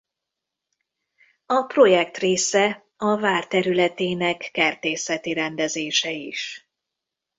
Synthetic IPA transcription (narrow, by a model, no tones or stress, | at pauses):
ɒpro̞jɛk̚t̪reːsɛ | ɒvaːrt̪ɛɾylɛt̪eːnɛkːɛrt̪eːsɛt̪iɾɛnd̪ɛzeːʃɛiʃ